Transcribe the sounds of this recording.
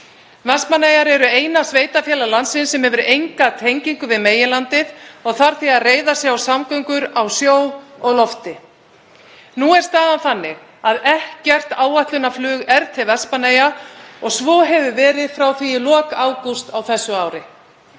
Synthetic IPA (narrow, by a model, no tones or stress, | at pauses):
vɛspmanejaɾɛɾʏeːjnasveːjt̪afjɛːlalansɪnsɛmhɛvʏɾejŋkat̪ʰejɲciŋkʏvɪðmeːjɪlant̪ɪðɔɣθaɾ̥θiaðreːjðasjɛɣawsamkœŋkʏɾawsjoːwɔɣlɔft̪ɪ | nuɛɾ̥st̪aːðanθanːɪɣ | aðɛhcɛr̥t̪aːwaht̪lʏnaflʏːɣɛɾt̪ʰɪlvɛspaneːjaɔɣsvɔːɦɛvʏvɛːɾɪðfɾawθijɪlɔːkaːwkust̪awθɛsːʏawɾɪ